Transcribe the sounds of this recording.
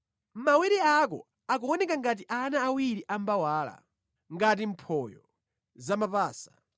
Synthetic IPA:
mawɛɾɛak̬ɔ̰ | akɔɔnɛkaŋɡat̬iʔanaːwiɾiʔambawaːla̰ | ŋɡat̬im̩pʰɔjɔ̰ | zamapaːsḁ

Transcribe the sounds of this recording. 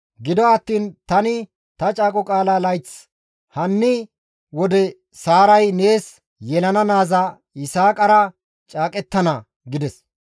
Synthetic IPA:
ɡɪd̪ɔɐt̪ːiːnt̪ɐnɪ | t̪ɐt͡ʃʼaːkʼɔkʼaːlaːlɐjt͡s | hɐnːɪ | wɔd̪ɛ | saːɾɐjne̞ːs | jɛlɐnɐnaːza | ɪsaːkʼɐɾɐ | t͡ʃʼaːkʼɛt̪ːɐnɐ | ɡɪd̪ɛs

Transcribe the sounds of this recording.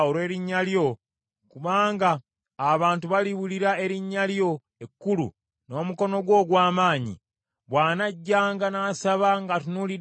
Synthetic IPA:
oɾwe̞ːɾiɲːaljo̞ | kuβaːŋɡaː | βaːntuβaliβuliɾae̞ɾiɲːaljo̞ | ekːulṵ | no̞ːmuko̞no̞ɡwo̞ːɡwaːmaːɲḭ | βwaːnaɟːaːŋɡanaːsaβaŋɡatunuli

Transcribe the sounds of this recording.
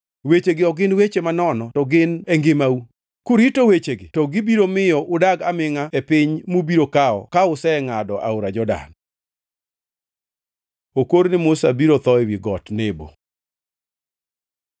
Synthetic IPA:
wet͡ʃeɡɪɔɡɪnwet͡ʃemanɔnɔtɔɡɪneŋɡɪmau | kuɾitowet͡ʃeɡɪtɔɡɪbiɾomɪjɔʔʊdaɡamɪŋaepɪɲmubiɾokaɔ̰kaʊsɛŋadɔʔa̰oɾad͡ʒɔda̰n | okoɾnɪmʊsabiɾot̪ɔɛwiɡɔtnebo̰

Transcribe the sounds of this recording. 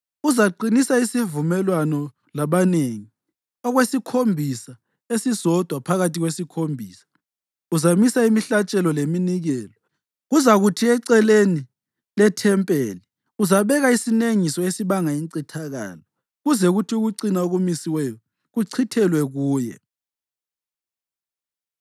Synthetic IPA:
uzaǃinisaisivumɛlwanɔ | laβaneŋi | ɔɣwesikʰombʱisa | esisɔd̥ʱwapʰaɣatʰiɣwesikʰombʱiːsḁ | uzamisaimiɬat͡ʃʼɛlɔleminiɣɛːlɔ | ɣuzaɣutʰiɛǀɛleni | lɛtʰɛmpʼeːli | uzaβɛɣaisineŋisɔesiβaŋaiŋǀitʰaɣa̰ːlɔ | ɣuzɛɣutʰiuɣuǀinaoɣumisiwɛjɔ | ɣuǀʰitʰɛlwɛɣuːjɛ̰

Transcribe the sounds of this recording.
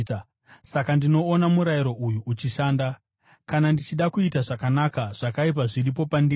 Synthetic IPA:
sakandino̞ːnamuɾajiɾo̞ʔujuʔːt͡ʃiʃaːnda | kanandit͡ʃiɗakuitaʐakanakaʐ̥akaip̬aʐirip̬o̞pandi

